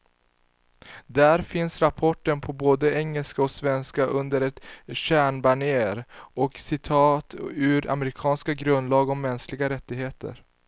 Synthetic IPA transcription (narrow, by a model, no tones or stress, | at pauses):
d̪æɾfɪnsɾapʰɔʈːənpʰɔboːd̪əɛŋːəlskaɔksvɛnskaʔɵnd̪əɾɛt̪ɕæːɳbaɳɪeːɾɔksɪt̪ʰɑːt̪ʉɾa̰mɛɾɪkʰɑːnskaɡɾɵnd̪lɑːɡɔmmːɛnsklɪɡaɾɛt̪ːɪɡheːt̪ʰə̰ɾ